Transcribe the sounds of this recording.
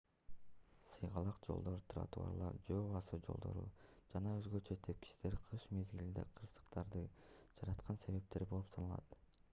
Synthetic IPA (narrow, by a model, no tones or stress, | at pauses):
sɯjʁɑlˠɑqd͡ʒo̞̰lˠd̪o̞ɾt̪ʰra̰t̪ṵa̰lˠɑ̰ɾd͡ʒoːβɑsud͡ʒo̞̰lˠd̪o̞̰ɾṵd͡ʒɑnɑøzɡøt͡ʃøt̪ʰep̚ki̥ʃt̪e̞ɾqʰɯʃme̞zɡilind̪e̞̰qʰɯɾsɯ̥qt̪ɑɾd̪ɯd͡ʒɑɾɑt̪qʰɑnse̞βe̞p̚t̪e̞ɾbo̞lˠupsʰɑnɑlˠɑ̰t̪